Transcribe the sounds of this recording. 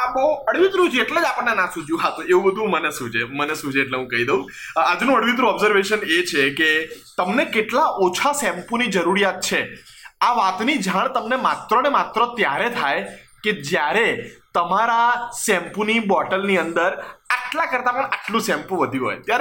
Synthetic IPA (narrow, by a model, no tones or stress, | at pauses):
abəoəɽʋit̪ɾũd͡ʒeʈled͡ʒapəɳnenãsũd͡ʒjũɦat̪oeũbəd̪ʱũmənesũd͡ʒemənesũd͡ʒeeʈleɦũkəɦid̪eũ | ad͡ʒnũəɽʋit̪̬ɾũɔbzəɾʋeʃənet͡ʃʰeket̪əmnekeʈlaʔot͡ʃʰasɛ̃mpunid͡ʒəɾuɾijat̪̚t͡ʃʰe | aʋat̪nid͡ʒʱaɳ̃t̪əmnemat̪ɾənemat̪ɾət̪jaɾet̪ʰajked͡ʒjaɾet̪əmaɾasɛ̃mpunibɔʈəlniənd̪əɾaʈlakəɾt̪apəɳaʈlũsɛ̃mpũʋəd̪ʱjĩũɦo̰jt̪jaɾe